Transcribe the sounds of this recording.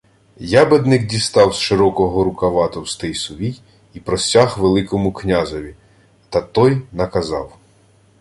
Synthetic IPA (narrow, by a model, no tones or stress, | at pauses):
jabed̪nɪkdʲist̪ɑwsʃeɾɔkɔɦɔɾʊkɐʋɑt̪ɔwst̪ɪjsʊʋʲij | ipɾɔsʲaɦʋelˠɪkɔmʊknʲazɔʋʲi | t̪ɐt̪ɔjnɐkɐzɑ̰w